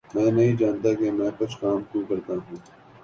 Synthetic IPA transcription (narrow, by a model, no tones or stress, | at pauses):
mɛ̃ːnɐɦĩːd͡ʒaːnt̪akemɛ̃ːkʊt͡ʃʰkaːmkokɐɾt̪aɦũː